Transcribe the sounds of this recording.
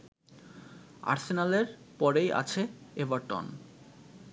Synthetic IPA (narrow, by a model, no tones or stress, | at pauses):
a̰ɾsenaleɾ | pɔɾeja̰t͡ɕʰeevaɾʈo̰n